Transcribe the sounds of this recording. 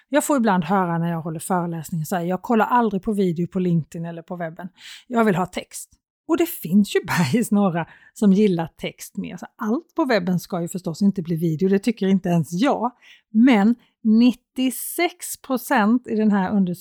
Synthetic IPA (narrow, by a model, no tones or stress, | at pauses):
jɑːɡfoːɾɪbland̪ɦœːɾanæɾjɑːɡɦɔlːəɾfœːɾəlɛːsnɪŋnsɛjəjɑːɡ̚kʰɔlːaɾʔald̪ɾɪɡ̚pʰɔviːd̪ɪʊpʰɔlɪŋk̚t̪ɪnɛlːəɾpʰɔvɛbːənjɑːɡvɪlɦɑːt̪ʰɛkst̪ | ɔd̪ɛfɪnsjɵbajsnoːɾa | sɔmjɪlːaʈ̪ʰɛkst̪mḛːɾasɔʔalt̪pʰɔvɛbːənskajɵfœʂʈɔsːɪnt̪əbliːviːd̪ɛɪʊd̪ɛt̪ʰʏkːəɾɪnt̪əɛnsjɑːɡ | mɛn | nɪt̪ːɪsɛkspʰɾʊsɛnt̪ɪd̪ɛnɦæɾɵnd̪ə